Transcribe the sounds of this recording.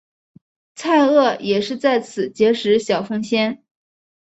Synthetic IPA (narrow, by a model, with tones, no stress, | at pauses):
t͡sʰa˥˧ɪɤ˥˩jɛ˨˩ʂɻ̩˥˧t͡sa˥˩ɪt͡sʰɹ̩˨˩t͡ɕjɛ˧˥ʂɻ̩˧˥ɕjɑ˨˩ʊfɤ˥ŋɕjɛ˥n